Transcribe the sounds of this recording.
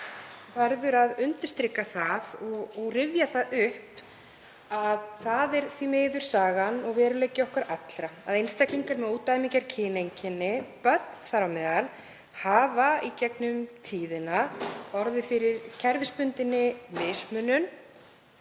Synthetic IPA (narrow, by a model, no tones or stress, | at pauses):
faɾðʏɾaðʏnt̪ɪ̥st̪ɾɪkːaθaðɔɣːɣrɪvjaθaðʏhp | aðθaðɛɾ̥θimeːjðʏɾ̥saːɣanɔɣvɛːɾʏlejcɪɔhkvaɾʔat̪lɾaaðejnst̪akliŋkaɾmɛðuːt̪ːajmicaɾ̥cʰɪːnejɲcɪnːɪpœt̪n̥θaɾawmɛːðal | haːvaicɛknʏmt̪ʰiːðɪnaɔɾðɪfɪɾɪɾcʰɛɾvɪspʏnt̪ɪnːɪmɪːsmʏnʏn